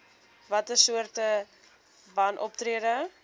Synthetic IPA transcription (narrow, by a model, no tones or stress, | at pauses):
vɐtəsuərtə | bɐnʔɔp̚triədə